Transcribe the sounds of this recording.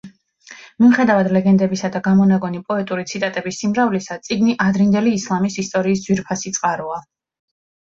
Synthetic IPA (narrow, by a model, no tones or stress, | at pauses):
miuχɛd̪avad̪lɛɡɛnd̪ɛbisad̪aɡamɔnaɡɔnipʼɔɛt̪ʼuɾit̪sʰit̪ʼat̪ʼɛbisːimɾavlisat̪sʼiɡniʔad̪ɾind̪ɛliːslˠamisist̪ʼɔɾiːsdz̥wiɾpʰasit̪sʼqʼaɾɔa